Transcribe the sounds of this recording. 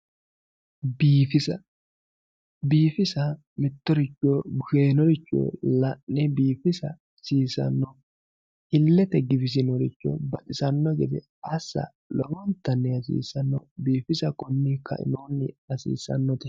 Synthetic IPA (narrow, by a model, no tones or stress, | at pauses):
biːfɪsɐ | biːfɪsɐ | mɪt̪ːɔɾɪt͡ʃːoːbʊʃeːnɔɾɪt͡ʃːo̰ːlɐʔɛbiːfɪsɐ | siːsɐ̰nːɔ | ɪlːɛt̪ɛɡɪbɪs̬ɪnɔɾɪt͡ʃːɔ̰bɐtʼɪsɐnːɔɡɛd̪ɛ̰ | ɐsːɐ̰ | lɔwɔnt̪ːɐnːɛɐsḭːsɐnːɔbiːfɪsɐkɔnːɪkɐ̰ʔɪ̰noːnːɪɐsḭːsɐ̰nːɔt̪ɛ